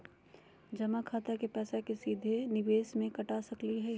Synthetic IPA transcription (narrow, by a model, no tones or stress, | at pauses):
d͡ʒɐmakʰaːt̪akepɛːsakesiːd̪ʱenɪʋeːsmẽkɐʈaːsɐkliɦɛ